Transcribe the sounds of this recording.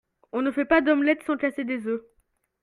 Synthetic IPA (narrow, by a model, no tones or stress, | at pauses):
ɔ̃nəfɛpad̪ɔmlɛt̪sɑ̃kased̪ezø